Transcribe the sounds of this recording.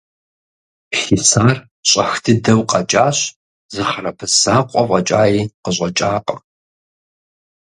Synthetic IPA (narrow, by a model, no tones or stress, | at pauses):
ɬisaːr | ɕʼɐxtʰɨdɐwqʼɐt͡ʃʼaːɕ | zɨχɐrɐpʰɨzaːqʷʼɔqʷʼɐt͡ʃʼaːjiːqəɕʷʼɐt͡ʃʼaːqʼɐ